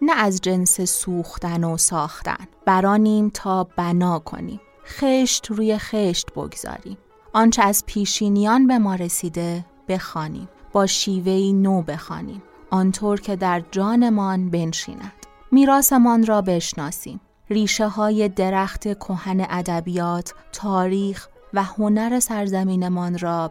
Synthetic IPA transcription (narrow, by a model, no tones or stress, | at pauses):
nææzd͡ʒe̞nsesuːxt̪ænosɒːxt̪æ̰nb̥æɾɒːniːmt̪ʰɒːb̥ænɒːkʰo̞̰nḭːm | xeʃt̪ruːje̞xeʃt̪bo̰ɡz̥ɒ̰ːɾḭːm | ʔɒːnt͡ʃʰeæzpʰiːʃiːnijɒnbe̞mɒːɾesiːd̪e̞ | b̥e̞xɒːnḭːmb̥ɒːʃiːve̞iːnoːbe̞xɒ̰ːnḭːm | ʔɒnt̪ʰoːɾcʰe̞d̪æɾd͡ʒɒːne̞mɒːnbe̞nʃḭːnænd̪̥ | miːɾɒːse̞mɒnrɒːbe̞ʃnɒːsḭːm | riːʃe̞ɦɒːje̞d̪e̞ɾæxt̪ʰe̞kʰohæne̞ʔæd̪æbijɒːt̪ʰːɒːɾiːx | væho̞næɾe̞sæɾzæmiːne̞mɒnrɒː